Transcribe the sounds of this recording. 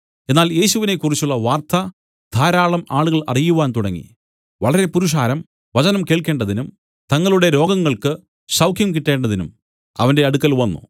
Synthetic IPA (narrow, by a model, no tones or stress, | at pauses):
e̞nːaːlje̞ːɕuʋine̞kːurit͡ɕːuɭːɐʋaːrt̪ɐ | d̪ʱaːɾaːɭɐmaːɭuɣɐɭɐ̰rijuʋaːnt̪uɽɐŋːḭ | ʋɐɭɐɾe̞puɾuʂ̬aːɾɐm | ʋɐt͡ɕɐnɐmke̞ːɭke̞ːɳɖɐðinum | t̪ɐŋːɐɭuɽe̞ɾo̞ːɡɐŋːɐɭkɨ | ɕɐwkʰjɐmkiʈːe̞ːɳɖɐðinṵm | ɐ̰ʋɐnde̞ɐɽukːɐlʋɐnːṵ